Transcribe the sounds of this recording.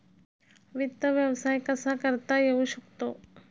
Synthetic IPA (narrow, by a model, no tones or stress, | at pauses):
ʋɪd̪əʋjəʋsaːjkɐsakəɾt̪ajeuʃʊkt̪oː